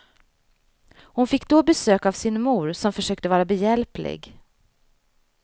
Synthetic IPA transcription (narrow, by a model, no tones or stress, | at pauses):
hʊnfɪkːd̪oːbɛsøːkavsɪnmuːɾsɔmfœʂøːk̚t̪əvɑːɾabɛjɛlplɪ̰ɡ